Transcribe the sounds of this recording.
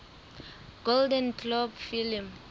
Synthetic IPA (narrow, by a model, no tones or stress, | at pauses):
ɡ̥oldɛ̃nkʰlɔbfilim